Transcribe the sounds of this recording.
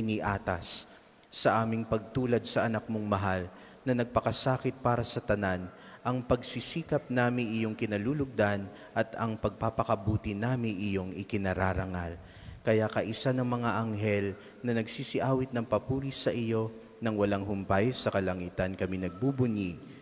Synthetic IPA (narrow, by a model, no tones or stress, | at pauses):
ʔɪniʔaːt̪ɐsː | ɐʔaːmɪŋpɐɡ̚t̪uːlɐd̪̚sɐʔɐnak̚moŋmɐɦal | nɐnɐɡ̚pɐkɐsaːkɪt̪̚paːɾɐsɐt̪ɐnan | ʔɐŋpɐɡsisiːkɐp̚naːmɪʔɪjo̞ŋkɪnɐluːlʊɡ̚d̪an | ʔɐt̪ɐŋpɐɡ̚papɐkɐbuːt̪ɪnaːmɪʔɪjo̞ŋɪkɪnɐɾaːɾɐŋal | kɐjakɐʔɪsanɐŋmɐŋaʔɐŋɦɛl | nɐnɐɡsisɪʔaːwɪt̪̚nɐŋpɐpuːlisɐʔɪjo̞ | nɐŋwɐlaŋɦʊmpajsɐkɐlɐŋiːt̪ɐnkɐminɐɡ̚bubʊni